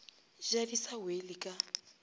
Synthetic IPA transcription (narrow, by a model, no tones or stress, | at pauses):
ʒadisawelɪkʼa